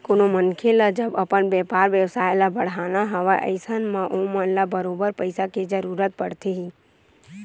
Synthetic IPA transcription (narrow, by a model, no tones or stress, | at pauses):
konomənkʰelad͡ʒəbɐpənbɛːpaːɾʋjəwsaːjlabɐɽ̤aːnaɦɐʋaʔə̰ɪsənmãʔomənlabəɾoːbəɾpəɪsaked͡ʒəɾuːɾət̪̚pɐɽt̪eɦiː